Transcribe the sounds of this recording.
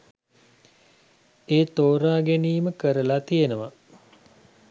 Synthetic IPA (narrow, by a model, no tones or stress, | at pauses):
eːt̪oːɾaːɡeniːməkəɾəlat̪ijenəʋa